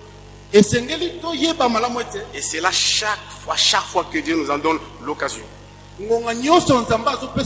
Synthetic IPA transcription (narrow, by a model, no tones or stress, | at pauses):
esɛŋɡelitojebamalamueteeselaʃakfwaʃakfwakedenozadɔ̃nlokazjɔ | ŋɡoŋɡaɲɔ̃nsɔnzambeazope